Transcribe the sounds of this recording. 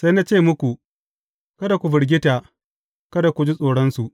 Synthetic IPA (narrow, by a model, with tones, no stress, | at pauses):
sa˦jna˦t͡ʃeː˦˨mʊ˦kʷu˨ | kɐ˦da˨kʷu˨bɪ˨ɽɡʲɪ˦ta˨ | kɐ˦da˨kʷu˨d͡ʒi˦sʼoː˨ɽɔ˦nsu˨ʔ